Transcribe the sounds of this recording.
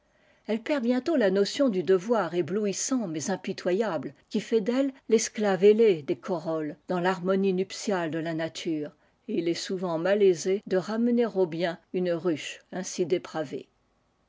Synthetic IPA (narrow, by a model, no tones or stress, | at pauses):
ɛlpɛʁbjɛ̃t̪olanɔsjɔ̃d̪yd̪əvwaʁebluisɑ̃mɛzɛ̃pit̪wajablkʲifɛd̪ɛlːɛsklaveled̪ekʰɔʁɔld̪ɑ̃laʁmɔninypsjald̪əlanat̪ʰyːʁ | eilɛsuvɑ̃malezed̪əʁamneʁobjɛ̃ynʁyʃɛ̃sid̪epχavḛ